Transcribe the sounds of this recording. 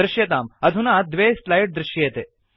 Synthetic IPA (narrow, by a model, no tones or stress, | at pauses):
ɾɪʃjɐt̪aːmɐd̪ʱunaːd̪ʋeːslajʈ̚d̪ɾɪʃjeːt̪eː